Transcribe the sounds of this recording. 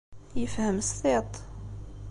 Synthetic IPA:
jəfhəmst̪ˤit̪ˤ

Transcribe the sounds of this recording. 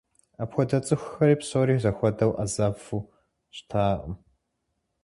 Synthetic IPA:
apxʷɔdɐt͡sʼɨxʷxɐɾiːpsoːɾiːzɐxʷɔdɐwʔɐzafu | ɕtʰaːʔʼəm

